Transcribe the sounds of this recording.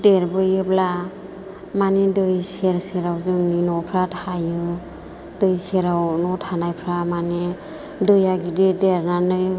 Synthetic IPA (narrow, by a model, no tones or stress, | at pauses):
deɾbɯjɯbla | manedɯjseɾseɾawzɯninɔpʰɾatʰajɯ | dɯjseɾawnɔtʰanajpʰɾamane | dɯjaɡidideɾnanɯj